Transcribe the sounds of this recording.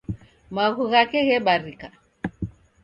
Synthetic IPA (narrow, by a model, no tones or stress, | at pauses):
maɣuɣakɛɣɛɓaɾika